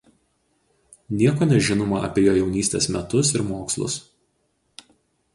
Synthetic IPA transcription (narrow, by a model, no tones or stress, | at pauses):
nʲiɛkoːnʲɛʒʲɪnoːmɐʔɐ̰pʲiɛjoːjɛʊnʲiːsʲt̪ʲeːsmʲɛt̪ʊs̬ɪɾmoːkslˠʊ̰s